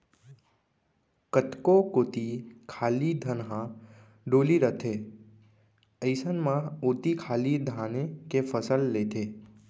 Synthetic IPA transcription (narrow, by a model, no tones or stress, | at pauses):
kət̪kokot̪ikʰaːlid̪ʱənɦã | ɖoːliɾət̪ʰe | əɪsənmãoːt̪ikʰaːlid̪ʱaːnekepʰəsəlːet̪ʰe